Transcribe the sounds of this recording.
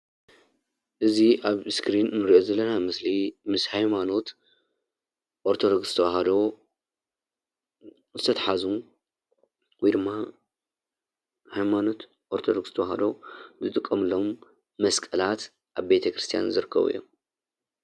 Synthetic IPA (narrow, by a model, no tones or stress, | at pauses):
ʔɨziʔaβskɾinːɨɾiʔozɐlːɐnamɐslimɨshajmano̞t̪ | ʔoɾt̪ʰod̪oɡsɨt̪ʰɐwaɦɐd̪o | zɨt̪ʰɐt̪ʰaħazu | wjd̪ɨmːa | hajmano̞t̪ | ʔoɾt̪ʰod̪oɡsɨt̪ʰɐwaɦɐd̪o̞bzɨt̪ʼɨkʼːɐmɨlomː | ɐskʼɐlat̪ | ʔaβbe̞t̪ʰɐkɾɨst̪ʰija̰nzɨɾɨkʰːɐ̰βṵjːo̰m